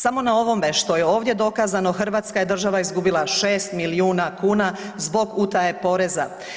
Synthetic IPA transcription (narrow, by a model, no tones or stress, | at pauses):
samo̞nao̞ʋo̞meʃt̪o̞jeo̞ːʋd̪je̞d̪o̞kazano̞xr̩ʋaːt̪skajed̪r̩ʒaʋaizɡubilˠaʃe̞ːst̪miliuːnakuːna | zbo̞ɡut̪ae̞po̞ɾeza̰